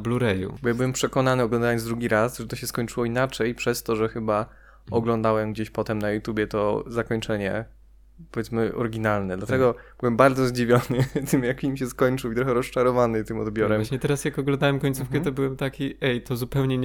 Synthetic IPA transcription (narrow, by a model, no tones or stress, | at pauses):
bluɾɛjṵbɔjabɘwɛmpʂɛkɔn̪anɘɔɡlɔ̃nd̪awɛɔnzd̪ɾuɡʲiɾasʐɛt̪ɔɕɛskɔɲt͡ʂɘwɔinat͡ʂɛjpʂɛst̪ɔʐɛxɘba | ɔɡlɔnd̪awɛmɡd͡ʑeɕpɔt̪ɛmnajut̪jubʲjɛt̪ɔzakɔɲt͡ʂɛɲɛ̰ | pɔvʲjɛt̪smɘʔɔ̰ɾɡʲinalnɛd̪lat̪ɛɡɔb̥ɘwɛmbaɾd̪zɔzd͡ʑivʲjɔnɘt̪ʰɘmjakʲimɕɛskɔɲt͡ʂɘwit̪ɾɔxɛɾɔst͡ʂaɾɔvanɨt̪ɘmɔ̰d̪bʲjɔɾɛɲɛt̪ɛɾasjakɔɡlɔnd̪awɛmkɔɲt̪sufkɛt̪ɔbɘwɛmt̪akʲiʔɛjt̪ɔzupɛwɲɛɲ